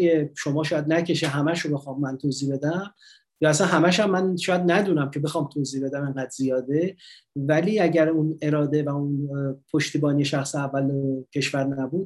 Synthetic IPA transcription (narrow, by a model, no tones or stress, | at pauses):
jeʃo̞mɒːʃɒːjæd̪næcʰe̞ʃeɦæmæʃobe̞xɒːmːænt̪ʰoːziːbe̞d̪æm | jɒːæs̬ænɦæmæʃæmːænʃɒːjæd̪næd̪uːnæmcʰe̞be̞xɒːmt̪ʰoːziːbe̞d̪æmeŋɢæd̪z̥ijɒːd̪e | væliːæɟæɾune̞ɾɒːd̪e̞væunpʰo̞ʃt̪iːbɒːnije̞ʃæxseævːælecʰe̞ʃvæɾnæbuːd̪